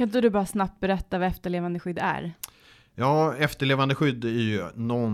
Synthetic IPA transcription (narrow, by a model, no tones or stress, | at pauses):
kʰant̪əd̪ɵbɑːɾasnap̚t̪̚bɛɾɛt̪ːavɑɛft̪əɭeːvand̪əɧʏd̪ːæ̰ɾ | jɑːɛft̪əɭeːvand̪əɧʏd̪ːæɾjɵnɔ